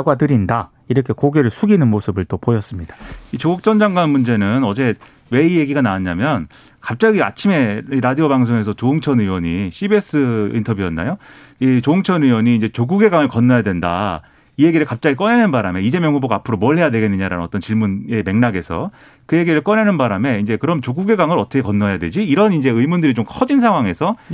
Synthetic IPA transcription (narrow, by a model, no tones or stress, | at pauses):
ɡwatɯɾinda | iɾʌkʰe̞koɡe̞ɾɯɭsʰuɡinɯnmosʰɯbɯɭt͈opojʌs͈ɯmɲid̥ait͡ɕoɡuk̚t͡ɕ͈ʌnd͡ʑaŋɡwanmund͡ʑe̞nɯnʌd͡ʑe̞ | we̞ije̞ɡiɡanaaɲamjʌn | kap̚t͡ɕ͈aɡia̰t͡ɕʰime̞iɾadiobaŋsʰoŋe̞s̬ʰʌt͡ɕoɯŋt͡ɕʰʌnɯwʌɲiɕʰibe̞s͈ʰɯintʰʌbjujʌnːa̰jo | it͡ɕoɯŋt͡ɕʰʌnɯwʌɲiːnd͡ʑe̞t͡ɕoɡuɡe̞ɡaŋɯɭkʌnːʌjadwe̞nda̰ | ije̞ɡiɾɯɭkap̚t͡ɕ͈aɡik͈ʌnenɯnbaɾame̞id͡ʑe̞mjʌŋuboɡaːpʰɯɾomʌɯɭɦe̞jadwe̞ɡe̞nːɯɲaɾa̰nɯnʌt͈ʌnt͡ɕiɭmune̞me̞ŋnaɡe̞sʰʌ̰ | kɯje̞ɡiɾɯɭk͈ʌnenɯnbaɾame̞ind͡ʑe̞kɯɾʌmt͡ɕoɡuɡe̞ɡaŋɯɾʌtʰʌkʰekʌnːoɦejadwed͡ʑiːɾʌnind͡ʑe̞ɯimundɯɾit͡ɕomkʰʌd͡ʑins̬ʰaŋɦwaŋe̞sʰʌ